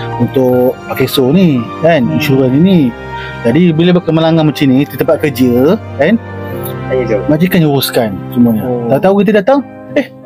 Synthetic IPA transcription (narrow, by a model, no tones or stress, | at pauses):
unt̪ʊkpakesonikaninʃuɾəninĩ | d͡ʒadibilebəkəməlaŋanməɲt͡ʃinĩt̪it̪əmpat̪̚kəd͡ʒəkan | mad͡ʒikanuɾuskansumuaɲət̪aut̪aukit̪̬ədat̪aŋ | eh